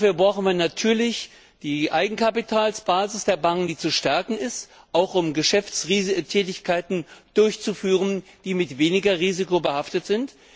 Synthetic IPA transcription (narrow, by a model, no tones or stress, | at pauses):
fyːɐbʁaʊxn̩viːɐnatʰyːɐlɪç | d̥iːʔaɪɡŋ̩kʰapitʰaːlsb̥aːzɪsd̥eːɐbaŋknd̥iːt͡suʃtɛɐkŋ̩ɪst | ʔaʊxʔʊmɡəʃɛft͡sʁitʰɛːtɪçkʰaɪtn̩d̥ʊɐçt͡sufyːʁ̞ənd̥iːmɪtv̥eːnɪɡɐʁiːzɪkobəhaftətz̥ɪnt